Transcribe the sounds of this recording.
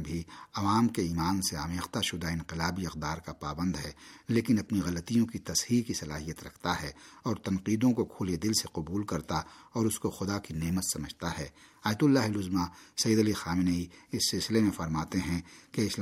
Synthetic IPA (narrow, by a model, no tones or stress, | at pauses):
bʱiɐʋaːmkeiːmaːnseaːmeːxt̪aʃʊd̪aɪ̃nqɪlaːbiɐq̚d̪aːɾkapaːbə̃nd̪ɦɛːleːkɪnɐpniɣɐlət̪ijõkit̪ɐshiːkisɐlaːɦijət̪ɾɐkʰt̪aɦɛːɔːɾt̪ɐ̃nqiːd̪õkokʰoːled̪ɪlseqʊbuːlkɐɾt̪aɔːɾʊskoxʊd̪akineːmət̪sɐməd͡ʒʱt̪aɦɛːaːjət̪ʊlːaːɦɪlʊzmasɐjiːd̪ɐlixaːmɪnəiɪsːɪlsɪlemẽfɐɾmaːt̪eɦɛ̃keɪs